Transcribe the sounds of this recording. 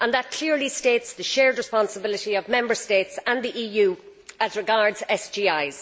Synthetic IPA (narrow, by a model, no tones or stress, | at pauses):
ə̃nðət̚kʰl̥ɪɹlisteɪtsðəʃɛːɹdɹɪspɑ̃nsəbɪlɪɾiəvmɛ̃mbə˞steːtsə̃nðiʔiːjʉː | əzɹɪɡaɹdzɛsd͡ʒiːaɪz̥